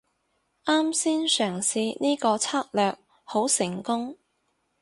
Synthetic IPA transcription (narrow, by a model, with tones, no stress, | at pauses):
ʔaː˥msiː˥nsœː˨˩ŋsiː˧niː˥kɔː˧t͡sʰaː˥k̚lœː˨k̚ | ho˨˥wsɪ˨˩ŋkʊ˥ŋ